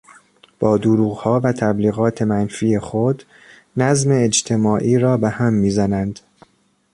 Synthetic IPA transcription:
b̥ɒːd̪oɾuːɣhɒːvæt̪ʰæbliːɣɒːt̪ʰe̞mænfiːe̞xod̪ | næzme̞ːd͡ʒt̪ʰe̞mɒːʔiːɾɒːbehæmːiːzænænd̪̥

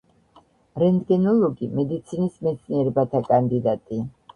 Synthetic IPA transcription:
ɾɛnd̪ɡɛnɔlˠɔɡimɛd̪it̪sʰinismɛt̪sʰniɛɾɛbat̪ʰakʼand̪id̪at̪ʼi

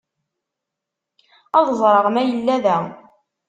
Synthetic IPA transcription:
ɑðˤzˤɾˤəʁmæjəlːæðæ

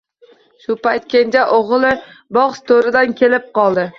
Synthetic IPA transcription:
ʃʊpajt̪̚kʲʰend͡ʒaʔoʁlˠɪ | bɒʁst̪ʰoɾɪd̪ankʲe̞lɪp̚qʰɒlˠd̪ɪ

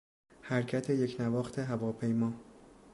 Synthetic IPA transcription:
hæɾcʰæt̪ʰe̞je̞cnævɒːxt̪ʰe̞ɦævɒːpʰe̞jmɒː

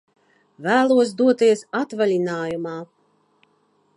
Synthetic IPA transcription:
væːlˠuɔs̬d̪uɔt̪iɛsat̪valʲinaːjumaː

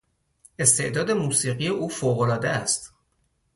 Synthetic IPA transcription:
e̞st̪ʰe̞̰ʔd̪ɒːd̪e̞muːsiːɢije̞ʔuːfoːɣolɒːd̪eæst̪

